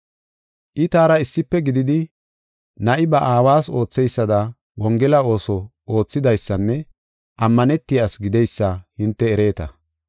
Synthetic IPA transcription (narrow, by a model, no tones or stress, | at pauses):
ʔɪt̪aːɾɐɪsːɪpːɛɡɪd̪ɪd̪ɪ | nɐʔɪbɐʔaːwaːso̞ːt͡sːɛjsːɐd̪ɐ | wɔŋɡɛlɐo̞ːsɔ | o̞ːt͡sːɪd̪ɐjsːɐnːɛ | ʔɐmːɐnɛt̪ːɪjaːsɡɪd̪ɛjsːɐhɪnt̪ːɛːɾe̞ːt̪ɐ